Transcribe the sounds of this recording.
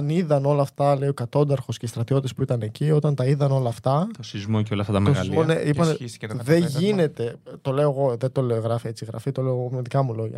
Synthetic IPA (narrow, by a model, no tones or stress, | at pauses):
niðɐno̞lɐːft̪ɐle̞io̞kɐt̪o̞nd̪ɐɾxo̞sceist̪ɾɐt̪io̞t̪t̪espuit̪ɐne̞cio̞t̪ɐnt̪ɐiðɐno̞lɐːft̪ɐt̪osizmoceolɐft̪ɐt̪ɐmt̪ozloneʔipɐneist̪ðe̞ʝine̞t̪e̞t̪o̞le̞oɣo̞ðet̪o̞leoɣɾɐfie̞t͡siɣɾɐ̰fit̪oleoɣomeðikɐmulo̞ʝɐ̰